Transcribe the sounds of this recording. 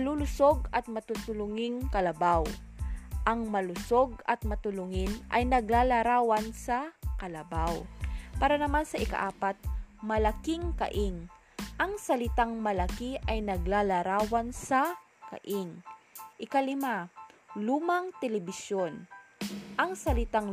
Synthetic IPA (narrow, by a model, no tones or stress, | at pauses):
ɐlulʊsoɡ̚ɐt̪̚mɐt̪ʊt̪ʊlʊŋɪŋkɐlɐbaw | ʔɐŋmɐlʊsoɡ̚ɐt̪̚mɐt̪ʊlʊŋɪnʔɐ̰jnɐɡlalaɾaːwɐnsɐkɐlɐbawpaːɾɐnɐmansɐʔɪka̰ʔaːpat̪̚mɐlɐkɪŋkɐ̰ʔɪŋ | ʔɐŋsɐlɪt̪aŋmɐlɐkiʔɐjnɐɡlalɐɾaːwansɐ | kɐ̰ʔɪŋʔɪkalɪmaluːmaŋt̪ɛlɛbɪsjon | ʔɐŋsɐlɪt̪aŋ